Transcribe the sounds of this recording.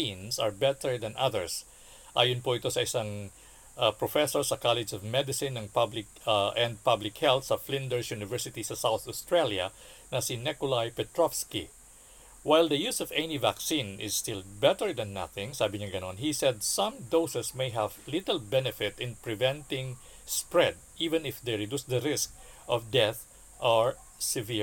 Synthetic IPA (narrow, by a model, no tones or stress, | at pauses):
ĩnsɐɹbɛt̪ɛɹd̪ɐ̃nʔaðɛɹs | ʔa̰ːjʊ̃npuʔɪt̪osɐʔɪsaŋ | apɹɔfɛsɔɹsɐkalɛd͡ʒɔvmɛd̪ɪsɪ̃nːɐŋpablɪkʔɛ̃nd̪̚pablɪkhɛlt̪sɐflɪ̃nd̪ɛɹsjunɪvɛɹsɪt̪isɐsawθɔst̪ɹeljɐ | nɐsinɛkʊlajpɛt̪ɹɔfski | wajld̪ɐjusɔvɛnivaksĩnɪ̰sst̪ɪlbɛt̪əɹd̪ɐ̃nːa̰θɪ̃ŋsabɪɲaɡɐnõnɦisɛd̪̚sʌ̃md̪oʊsɛsmejɦævlɪt̪ɛlbɛnɪfɪt̪ɪ̃npɹɪvɛ̃nt̪ɪ̃ŋ | spɹɛd̪̚ʔivɛ̃nɪfd̪ejɹɪd̪usd̪ɐɾɪskʔɔvd̪ɛθ | ʔaɹ | sɪvi